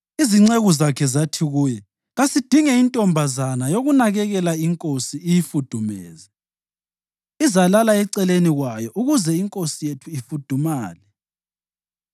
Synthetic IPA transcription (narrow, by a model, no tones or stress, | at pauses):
iziŋ͡ǀeɣuzakʰɛzatʰiɣuːjɛ | ɣasid̥ʱiŋɛintʼɔmbʱazanajoɣunaɣɛɣɛlaiŋkʼosiːjifud̥ʱumɛ̰ːzɛ | izalalaɛǀɛleniɣwajɔʔuɣuzɛiŋkʼosijetʰuifud̥ʱumaːlɛ